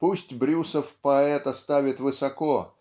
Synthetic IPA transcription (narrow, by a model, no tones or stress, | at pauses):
pusʲtʲbɾʲusəfpɐɛt̪ɐst̪avʲɪt̪vɨsɐko